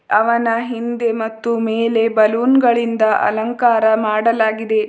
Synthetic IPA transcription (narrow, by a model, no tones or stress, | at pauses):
ɐʋɐnɐɦind̪e̞mɐt̪ːumeːle̞bɐluːnɡɐɭind̪ɐʔɐ̰lɐŋkaːɾɐmaːɽɐlaːɡid̪e̞